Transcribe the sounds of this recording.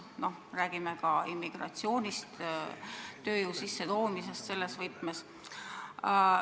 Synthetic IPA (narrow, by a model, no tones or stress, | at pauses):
no̞hræːɡ̥imekɑimːiɡ̥rɑ̰t̪sio̞ːnʲist̪ | t̪ø̞ːjuːsisːe̞t̪o̞ːmise̞st̪se̞lːe̞svɤjt̪mes